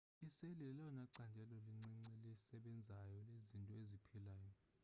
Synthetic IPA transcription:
iselilɛlaɔnaǀandʱɛlɔliŋ͡ǀiŋ͡ǀɛlɛsɛɓɛnd͡zʱajɔlezintʼɔezipʰilaːjɔ

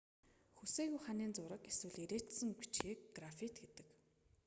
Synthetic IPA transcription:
xuseːɣujχaniːnt͡sʊɾə̆keswɘ̆ɮeɾeːt̪sɘ̆ŋpi̥t͡ɕxiːkɡrafit̪ɡet̪ɘ̆k

